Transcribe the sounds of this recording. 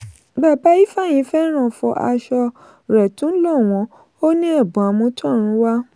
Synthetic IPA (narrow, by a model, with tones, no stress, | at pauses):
ba˦˨ba˨˦i˦fa˦˨j̃ĩ˨˧˦fɛ˦ɾ̃ã˦˨fɔ̰˧ʔa̰˧ʃɔ˧ | ɾɛ˨tũ˨˦lɔ˦˨w̃ɔ̃˧ | o˦nĩ˦a˦˨bũ˨a˨mũ˧˦tɔ̃˦˨ɾ̃ũ˨˦wa˦